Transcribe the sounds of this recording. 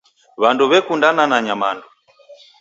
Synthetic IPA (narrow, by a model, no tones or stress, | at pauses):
βanduβɛkundananaɲamandu